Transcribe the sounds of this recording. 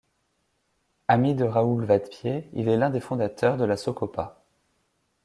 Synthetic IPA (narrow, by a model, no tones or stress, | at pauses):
amid̪əʁaulvat̪pjeḭlɛlɛ̃d̪efɔ̃d̪at̪ʰœʁd̪əlasokɔpa